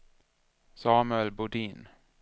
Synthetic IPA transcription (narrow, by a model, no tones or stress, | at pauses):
sɑːmʉɛlbʊɖiːn